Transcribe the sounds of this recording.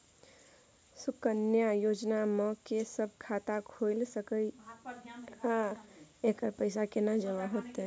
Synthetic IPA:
sukənjajod͡ʒnaməkesəb̚ʱkʰat̪akʰojlsəkə | ɦãekəɾpəɪsakenəd͡ʒəʋaɦot̪e

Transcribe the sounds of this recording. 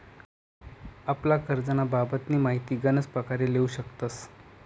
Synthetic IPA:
aplakəɾd͡zənababət̪niːmaɦit̪iːɡənət͡spɾəkaɾeleuɕəkt̪ət͡s

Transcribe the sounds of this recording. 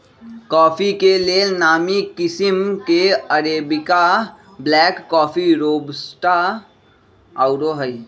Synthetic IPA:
kɔːpʰikelenaːmikɪsɪmkeəɾeːbɪka | blɛːkːɔːpʰiɾoːbsʈa | aʊɾoɦəi

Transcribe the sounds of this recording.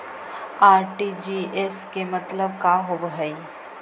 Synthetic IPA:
aːɾʈid͡ʒiːeskemɐt̪ləb̚kaːɦobɦəi

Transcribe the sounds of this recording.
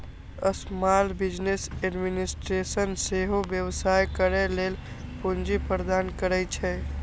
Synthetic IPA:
əsmalbid͡ʒneseɖminisʈɾesənseɦobjəwsajkəɾɛlel | pund͡ʒipəɾd̪ankəɾɛjt͡ʃʰɛ

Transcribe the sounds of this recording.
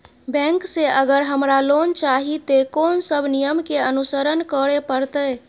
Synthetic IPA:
bɛ̃ŋkseəɡəɾɦəmɾalont͡ʃaɦit̪ekonsəbʱnijəmkeənusəɾənkəɽepəɾt̪əj

